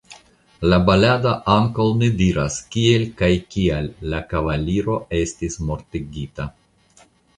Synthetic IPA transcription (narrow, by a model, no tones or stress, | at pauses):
labaladaʔaŋkawnidiɾaskie̞lkajkialːakavaliɾo̞e̞stismo̞ɾtiɡita